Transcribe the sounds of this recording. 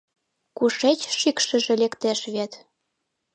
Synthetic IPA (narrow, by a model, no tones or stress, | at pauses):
kuʃet͡ɕʃikʃə̆ʒĕlekt̪eʃβet̪